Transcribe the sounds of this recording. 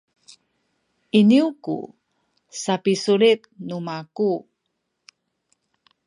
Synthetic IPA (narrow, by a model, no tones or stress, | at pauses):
iniukṵ | sapisuɾit̪̚numaku